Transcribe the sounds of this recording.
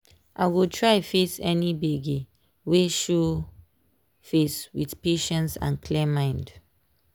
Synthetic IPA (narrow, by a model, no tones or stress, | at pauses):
ʔaɪɡotʰɹaɪfesɛnibeɡi | weʃu | feswiθpeʃɛ̃nsã̰nkʰlɛmãɪ̃nd